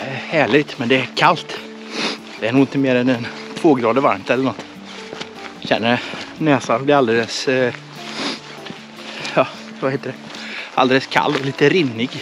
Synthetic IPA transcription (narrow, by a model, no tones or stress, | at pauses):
hæːɭɪɡ̚t̪mɛnd̪ɛækʰalt̪ | d̪̥ɛæɾɳuːɡɪnt̪ɪmeːɾɛnɛn | t̪ʰvoːɡɾɑːd̪əɾvaɾmt̪ɛlːəɳɔt̪ː | ɕɛ̰nːənøːsanb̪ɪɾald̪eːləs | jɑː | vaheːt̪əɖɛ | ʔa̰ld̪eːləskʰa̰lːɔliːt̪əɾɪnːɪɡ